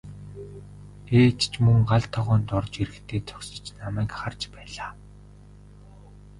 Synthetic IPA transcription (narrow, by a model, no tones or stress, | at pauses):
eːt͡ɕt͡ɕʰmɵŋɢaɮt̪ʰɔʁɔːnt̪ɔrt͡ɕiɾɘ̆xt̪ʰeːt͡sʰɔ̥ksə̆t͡ɕnamæːkχart͡ɕpæːɮaː